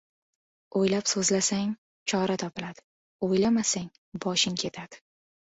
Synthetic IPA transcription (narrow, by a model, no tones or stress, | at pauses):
ojlapsɵzlasaŋ | t͡ʃʰɒɾat̪ʰɒpɪlad̪̥ɪ̥ | ojlamasaŋ | bɒʃɪŋkʲʰe̞t̪ʰad̪̥ɪ̥